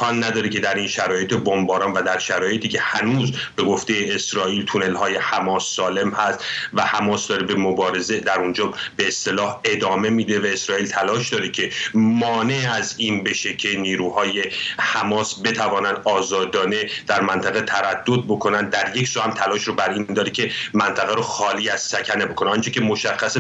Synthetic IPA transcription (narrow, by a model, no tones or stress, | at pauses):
kʰɒnːæd̪ɒːɾecʰe̞d̪æɾinʃæɾɒːje̞t̪ʰebombɒːɾɒːnvæd̪æɾʃæɾɒːje̞t̪ʰiːkcʰe̞hænuːzbe̞ɡo̞ft̪e̞jeːsɾɒːiːlt̪ʰune̞lhɒːje̞hæmɒːsːɒːle̞mhæst̪væhæmɒːsd̪ɒːɾebemobɒːɾe̞ze̞d̪æɾund͡ʒɒːbe̞ːst̪e̞lɒːhe̞d̪ɒːme̞miːd̪e̞væe̞sɾɒːiːlt̪ʰælɒːʃd̪ɒːɾecʰe̞mɒːne̞æziːnbe̞ʃe̞cʰe̞niːɾuːhɒːje̞hæmɒːsbe̞t̪ʰævɒːnænd̪ɒːzɒːd̪ɒːne̞d̪̥æɾmænt̪ʰæɣe̞t̪ʰæɾæd̪̥ːo̞d̪̚bo̞kʰo̞nænd̪ːæɾje̞cʰsuːhæmt̪ʰælɒːʃɾobæɾiːnnd̪ɒːɾecʲʰe̞mænt̪ʰæɣæɾoxɒːliːæz̥sæcʰæne̞bo̞kʰo̞neɒnt͡ʃʰecʲe̞mo̞ʃæxːæse